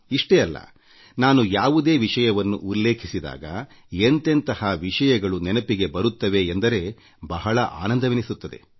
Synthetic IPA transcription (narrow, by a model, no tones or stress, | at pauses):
iʂʈeɐlːɐ̰ | naːnujaːʋud̪e̞ːʋiʂɐjɐʋɐnːuʔulːe̞ːkʰisid̪a̰ːɡɐ̰ | ent̪e̞nt̪ɐhɐʋiʂɐjɐɡɐɭunɛnɐpiɡe̞bɐɾut̪ːɐʋe̞ːnd̪ɐɾe̞ | bɐɦɐɭɐʔa̰ːnɐnd̪ɐʋinisut̪ːɐd̪e̞̰